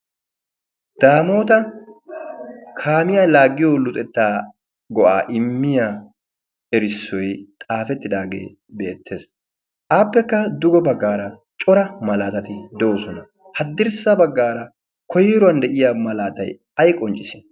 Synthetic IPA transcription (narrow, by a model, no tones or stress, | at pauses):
d̪̥aːmo̞ːt̪ɐ | kʰaːmɪjaːlaːɡːɪjoːlʊt̪ʼɛt̪ːaː | ɡɔʔa̰ːʔɪmːɪjaː | ɛɾɪsːɔjt̪ʼaːfɛt̪ːɪd̪aːɡḛː | beːt̪ʰːe̞ːs | ʔaːpːɛkːɐd̪ʊɡɔbɐɡːaːɾɐt͡ʃʼɔɾɐmɐlaːt̪ɐt̪ɪd̪ɛʔosɔnɐ | hɐd̪ːɪɾsɐbɐɡːaːɾɐ | kʰɔjɛɾʊɐnd̪ɛʔɪjaːmɐlaːt̪ɐj | ɐjkʼɔnt͡ʃʼɪsɪ̥